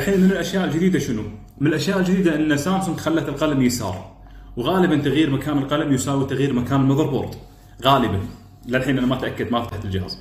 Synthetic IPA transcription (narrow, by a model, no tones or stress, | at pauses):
aħiːnmɪnɪlʔaʃjaːʔɪld͡ʒɪd̪iːd̪aʃɪnu | mɪnɪlʔaʃjaːʔɪld͡ʒd̪iːd̪aʔɪnːasaːmsʊnɡxalːat̪ɪlqɑlamjɪsɑ̰ːɾˤ | wɣaːlɪbant̪aɣjiːɾmakaːnɪlqɑlamjʊsaːwit̪aɣjiːɾmakaːnɪlmɑðˤɑɾˤbo̰ːɾˤd̪ | ɣaːlɪban | lalħiːnʔanamat̪ʔakːad̪mafat̪aht̪ɪld͡ʒɪha̰ːz